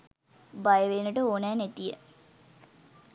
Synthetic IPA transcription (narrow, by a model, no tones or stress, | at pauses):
bajəʋeːnəʈəoːnæːnet̪ijə̰